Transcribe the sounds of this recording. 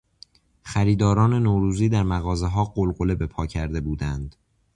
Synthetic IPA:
xæɾiːd̪ɒːɾɒːne̞noːɾuːziːd̪æɾmæɣɒːze̞ɦɒːɢolɢo̞le̞be̞pʰɒːcʰæɾd̪e̞buːd̪ænd̪̥

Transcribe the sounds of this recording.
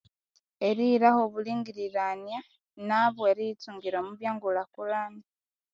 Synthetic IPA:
e̞ɾiɾaxo̞βuliːŋɡiɾiɾanja | naβweɾituːŋɡiɾomuβjaːŋɡulakulani

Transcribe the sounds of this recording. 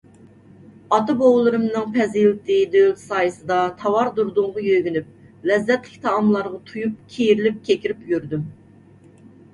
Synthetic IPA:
ɑt̪ɨbowlˠɨɾɨmnɨŋpʰɛzilt̪ʰɪd̪ølsɑːjɨsɨd̪ɑt̪ʰɑwɑɾd̪uɾd̪ʊŋʁɑjøɡʲynyp̚ | lɛzːɛt̪lɪkʲt̪ʰɑɑmlˠɑɾʁɑt̪ʰujup̚kʲʰejɾɪlɪp̚kʲʰekʲiɾɪpjyɾd̪ym

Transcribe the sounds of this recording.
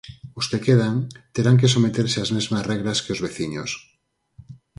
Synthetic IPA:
uskekeð̞aŋt̪eɾaŋk̬es̬omet̪eɾseazmezmasreɣ̞laskeozβeθiɲos

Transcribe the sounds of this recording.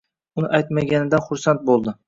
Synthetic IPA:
ʊnɪʔajt̪maɡʲanɪd̪anχʊɾsant̪̚bolˠd̪ɪ

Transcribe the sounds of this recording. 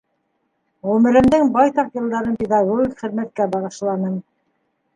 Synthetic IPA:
ʁʉmɘ̆ɾɘ̆md̪ɘŋbɑjt̪ɑqjɤ̆lˠd̪ɑɾɤnpʲed̪ɑɡoɡʲikχɘ̆ðmæt̪̚kæbɑʁɤ̆ʃlˠɑnɤm

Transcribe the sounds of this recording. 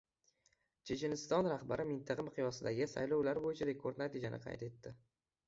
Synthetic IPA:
t͡ʃʰet͡ʃenɪst̪ɒnɾaχbaɾɪmɪnt̪ʰɑqʰɑmɪqʰɨjɒsɪd̪aɡʲɪsa̰jlɒwlaɾbojɪt͡ʃʰaɾe̞kʰoɾd̪nat̪id͡ʒanɪ̰qʰɑ̰jt̪e̞t̪ːɪ

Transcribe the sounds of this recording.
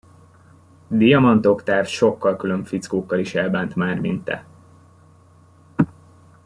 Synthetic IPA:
d̪ijɒmɒnt̪o̞kt̪aːrʃo̞kːɒlkyløɱfit̪skoːkːɒliʃɛlbaːnt̪maːrmint̪ɛ̰

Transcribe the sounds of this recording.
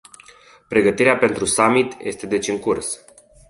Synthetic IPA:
pɾe̞ɡət̪iɾeape̞nt̪ɾusamit̪jʔe̞̰st̪e̞d̪e̞t͡ʃʲɨŋkurs

